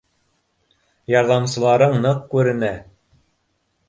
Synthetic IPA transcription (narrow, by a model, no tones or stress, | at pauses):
jɑɾðɑmsɤ̆lˠɑɾɤɴnɤqkʉɾɘ̆næ